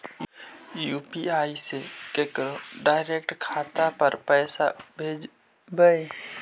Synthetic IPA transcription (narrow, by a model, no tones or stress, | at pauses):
juːpiaːisekekɾoɖaːɪɾeːkʈkʰaːt̪apəɾpɛːsa̰bʱeːd͡ʒ | bəe